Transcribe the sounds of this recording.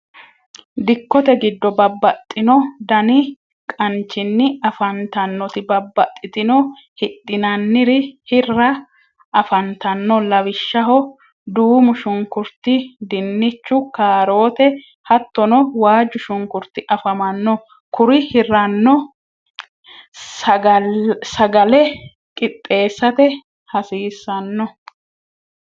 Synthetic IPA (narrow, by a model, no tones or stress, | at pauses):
d̪ɪkːɔt̪ɛɡɪd̪ːɔbɐbːɐt̪ʼːɪnɔd̪ɐnɪ | kʼɐnt͡ʃːɪnːɪɐfɐnt̪ɐnːɔt̪ɪbɐbːɐt̪ʼːɪt̪ɪnɔ | hɪt̪ʼːɪnɐnːɪɾɪhɪrːɐ | ɐfɐnt̪ɐnːɔlɐwɪʃːɐɦɔ | d̪uːmʊʃʊŋkʊɾt̪ɪd̪ɪnːɪt͡ʃːʊkaːɾo̞ːt̪ɛ | hɐt̪ːɔnɔwaːd͡ʒːʊʃʊŋkʊɾt̪ɪʔɐfɐmɐnːɔ | kʊɾɪhɪrːɐnːɔ | sɐɡɐlɛ | kʼɪt̪ʼːe̞ːsːɐt̪ɛ | hɐsiːsːɐnːɔ